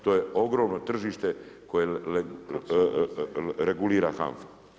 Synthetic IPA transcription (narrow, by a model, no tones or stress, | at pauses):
t̪o̞ːje̞o̞ɡɾo̞ːmnot̪r̩ʒiʃt̪e̞koje | ɾeɡuliːɾa̰xa̰ɱfo̥